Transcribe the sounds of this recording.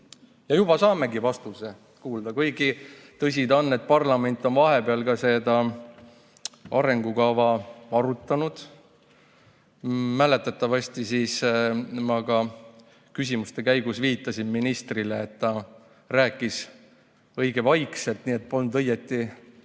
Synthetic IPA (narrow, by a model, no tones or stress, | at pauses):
jɑjub̥ɑsɑːme̞ɡivɑst̪use | kuːld̪̥ɑkɤjɡit̪ɤs̬ʲid̪ɑnːe̞t̪̚pɑrlɑme̞nʲt̪ːˑo̞nvɑɦe̞peɑlkɑse̞d̪ɑ | ɑɾe̞ŋɡ̥ukɑvɑɑɾut̪ˑːɑnud̪̥ | mæle̞t̪ːˑɑt̪ːˑɑvɑsʲt̪isismɑkɑ | kys̬ʲimust̪e̞kæjɡ̥usviːt̪ːˑɑsinminist̪rileːt̪ːɑ | ræːkːˑis | ɤ̞jɡ̥e̞vɑjkse̞lt̪niːet̪̚ːpo̞lnud̪ɤjet̪ːˑi